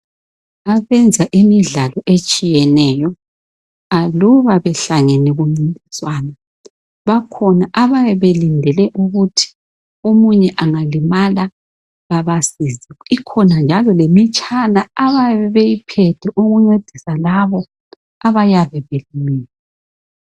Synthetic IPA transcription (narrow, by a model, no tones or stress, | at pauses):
aβɛnd͡zʱaʔimiɮalɔʔet͡ʃʼijɛnɛːjɔ | aluβaβɛɬaŋɛnɛɣuŋ͡ǀintʼiswaːna | βakʰɔnaʔaβajɛβelindʱɛlɛʔuɣutʰi̥ | omuɲɛʔaŋalimala | ɣaβasiziikʰɔnand͡ʒʱalɔlemit͡ʃʼanaaβaɛβejipʰɛtʰɛʔoɣuŋ͡ǀed̥ʱisalaβɔ | aβajaβɛβelimiːlɛ